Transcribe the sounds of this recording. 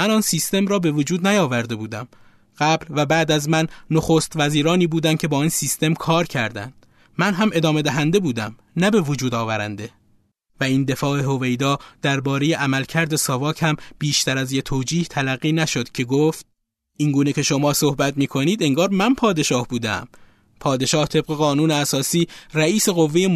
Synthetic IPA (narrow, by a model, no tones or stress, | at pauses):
mænɒːnsiːst̪e̞mɾɒːbe̞vod͡ʒuːd̪næjɒːvæɾd̪e̞buːd̪æm | ɢ̥æblvæbæːd̪æzmænːoxost̪væziːɾɒːniːbuːd̪æn̚cʰe̞bɒːiːnsiːst̪e̞mkʰɒːɾcʰæɾd̪æ̰nd̪̥ | mænɦæme̞d̪ɒːme̞d̪æɦænd̪e̞buːd̪æm | næbe̞vod͡ʒuːd̪ɒːvæɾæ̰nd̪e̞ | væiːnd̪e̞fɒːe̞ɦo̞ve̞jd̪ɒːd̪̥æɾbɒːɾe̞je̞ʔæmælcʰæɾd̪e̞sɒvɒːcʰhæmb̥iːʃt̪æɾæzjet̪ʰoːd͡ʒiːht̪ʰælæɣːiːnæʃo̞d̪̥cʰe̞ɡoːft̪̚ | ʔiŋɡuːnecʰe̞ʃo̞mɒːso̞hbæt̪miːkʰo̞niːd̪e̞ŋɡɒːɾmænpʰɒːd̪e̞ʃɒːhbuːd̪eæ̰m | pʰɒːd̪e̞ʃɒːht̪ʰe̞b̚ɣe̞ɣɒːnuːneæsɒːsiːræiːse̞ɣo̞vːeje